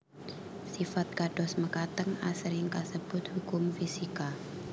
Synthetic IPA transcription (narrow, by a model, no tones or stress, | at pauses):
sifat̪̚kadɔsməkat̪əŋasɾɪŋkasəb̥ʊt̪̚hukʊmfisika